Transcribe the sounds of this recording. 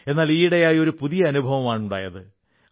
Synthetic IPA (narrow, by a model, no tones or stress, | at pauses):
e̞nːaːliːɽɐjaːjo̞ɾupuðijɐːnubʱɐʋɐmaːɳuɳɖa̰ːjɐðɨ